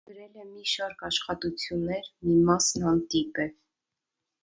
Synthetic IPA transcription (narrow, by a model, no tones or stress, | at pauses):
ɡəɾɛlɛmiʃɑɾkʰɑʃχɑt̪ut͡sʰjunːɛɾmimɑsnɑnt̪ipɛv